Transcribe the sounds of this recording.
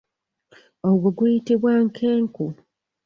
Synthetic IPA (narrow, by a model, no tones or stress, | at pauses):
oɡoɡujitiβwaŋkʰeːŋku